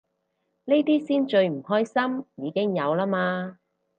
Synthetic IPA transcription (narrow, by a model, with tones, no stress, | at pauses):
ne˥jt̪iː˥siː˥nt͡ʃɵ˧ɥm̩˨˩hɔː˥jsɐ˥mjiː˨˧kɪ˥ŋjɐ˨˧wlaː˥maː˧